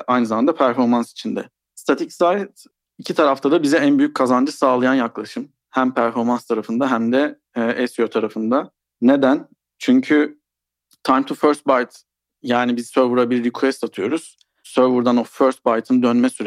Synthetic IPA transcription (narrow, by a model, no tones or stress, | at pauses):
ʔajnɯzamand̪apʰæɾfo̞ɾmansi̥t͡ʃʰind̪ɛ̰ | st̪ʰat̪ʰicsat̪ | icʰit̪ʰaɾaft̪ʰad̪abizɛænbyjyc̚kʰazand͡ʒɯsaːlˠajanjaklˠaʃɯm | hæmpʰæɾfo̞ɾmanst̪ʰaɾafɯnd̪aɦæmd̪ɛ | ʔɛsjot̪ʰaɾafɯnd̪a | ne̞d̪æn | t͡ʃʰyɲcʰy | t̪ʰajmt̪ʰuføɾst̪̚bajt̪ | jaːnibizsøɾvuɾabilʲlʲikʰuɛst̪at̪ʰɯjo̞ɾuz̥ | søɾvuɾd̪anoføɾst̪̚bajt̪ʰɯnd̪ønmɛsyɾ